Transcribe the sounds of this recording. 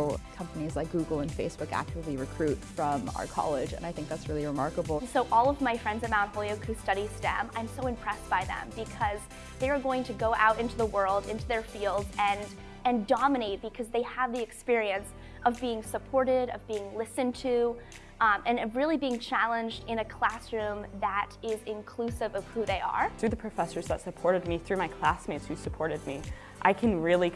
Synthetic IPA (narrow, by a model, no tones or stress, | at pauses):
kʰʌ̃mpənizlaɪk̚ɡ̥uɡl̩ˠə̃nfeɪsb̥ʊkæ̰k̚t͡ʃəlˠiɹɨkʰɹ̥ʉtfɹʌ̃ma̰ʊə˞kʰɑ̰lˠɪd͡ʒɨ̰̃naɪθɪ̃ŋk̚ðætsɹɪlˠiɹɨmɑ̰ɹkəbl̩ˠsoʊʔɔlˠʌvmaɪfɹɛ̃ndzɨ̃mãʊ̃ntfoʊlˠioʊkʰʉstʌɾistæ̰̃mã̰ɪ̃msoʊɨ̃mpʰɹ̥ɛsb̥aɪðə̰̃mbɨkʰʌz | ðeɪə˞ɡoʊɪ̃ŋtʰɨɡoʊʔa̰ʊɾɪ̃ntʉðəwɜ˞lˠdɪ̰̃ntʉðə˞filˠdzɨ̃n | ɨ̃ndɑmɨneɪt̚b̥ɨkʰʌzðeɪəvðiɨkspɪɹiɨ̃ns | ʔʌvbiɪ̃ŋsəpʰɔɹɾɪɾʌvbiɪ̃ŋlɪsɨ̃ntʰʉ | ʔɨ̃nʌvɹɪlˠibiɪ̃ŋt͡ʃʰælˠə̃nd͡ʒdɪ̃ñɨkʰl̥æsɹʉ̃mðəɾɪzɪ̃nkʰl̥ʉsɨvʌv̥huðeɪə̰˞θɹʉðɨpʰɹ̥ɨfɛsə˞zðə̰tsɨpʰɔɹɾɨd̚miθɹʉmaɪkʰl̥æsmeɪtshʉsɨpʰɔɹɾɨd̚mi | ʔaɪkʰɨ̃nɹɪlˠi